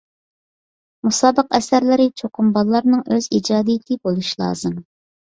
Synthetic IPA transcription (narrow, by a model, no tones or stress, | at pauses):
musɑːbəqɛsæɾlɪɾɪt͡ʃʰoqʰʊmbɑlˠlːˠɑɾnɨŋøzid͡ʒɑːd̪ijɪt̪ʰɪbolˠuʃlˠɑ̰ːzɨm